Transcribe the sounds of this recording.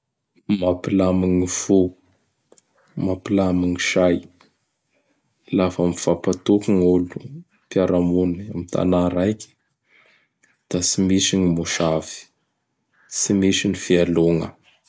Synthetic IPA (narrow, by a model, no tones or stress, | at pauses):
mapilamiŋifu | mapilamiŋiʃaj | lafamiv̥apat̪okiŋulu | pjaɾamunamit̪ʰa̰naɾajkʲi̥ | d̪̥asimisinimuʃavi̥ | simisinifialoŋə̰